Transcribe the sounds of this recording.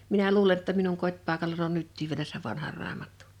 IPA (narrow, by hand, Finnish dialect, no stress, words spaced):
minæ luːle tːɑ minuŋ kotʲpɑˑekɑlɑn on nytːiːʋ ʋielæ seʋ ʋɑnhɑr̆ rɑːmɑtːu̥